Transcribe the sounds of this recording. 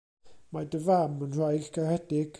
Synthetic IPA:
madəvamənr̥ajɡɡarɛdɪɡ̥

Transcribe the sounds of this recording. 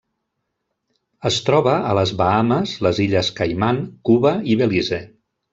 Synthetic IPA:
əst̪ɾɔβəələzβaaməzləziʎəskajmaŋkuβəiβelizɛ

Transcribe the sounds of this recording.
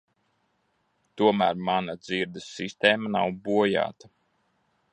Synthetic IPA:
t̪uɔmæːɾmanad̪ziɾd̪ɐsːist̪eːmanawbuɔja̰ːt̪a

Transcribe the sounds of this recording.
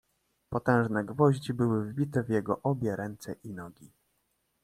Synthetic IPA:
pɔt̪ɛ̃w̃ʐnɛɡvɔʑd͡ʑibɘwɘvbʲit̪ɛvjɛɡɔʔɔbʲjɛɾɛnt̪sɛ̰ʔinɔɡʲi

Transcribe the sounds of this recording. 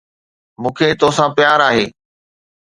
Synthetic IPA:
mũːkʰeːt̪osãpɪjaːɾaːɦeː

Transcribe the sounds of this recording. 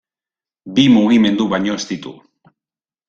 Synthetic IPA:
bimuɣime̞nd̪uβajɲo̞est̪it̪ṵ

